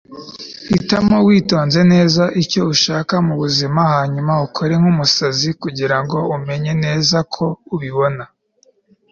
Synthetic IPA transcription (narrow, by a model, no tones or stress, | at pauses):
hitamowiːto̞ːnze̞ne̞ːzaʔiɾco̞uʃaːkamuβuzimahaːɲumaukʰoɾe̞ŋ̥humusazikuɟiɾaŋɡo̞ume̞ɲe̞ne̞ːzakʰo̞uβiβo̞na